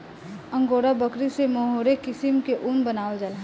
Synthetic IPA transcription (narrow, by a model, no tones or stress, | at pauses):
ə̃ŋɡoːɾabəkɾisemoɦoːɾekɪsɪmkeʔunbənaːəld͡ʒəlɦɛ